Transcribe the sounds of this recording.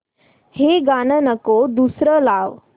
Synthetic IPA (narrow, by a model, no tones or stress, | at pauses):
heɡanənəkod̪usɾəlaʋ